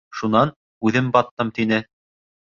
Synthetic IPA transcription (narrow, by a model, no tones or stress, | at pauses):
ʃunɑn | ʉðɘmbɑt̪ːɤmt̪inɘ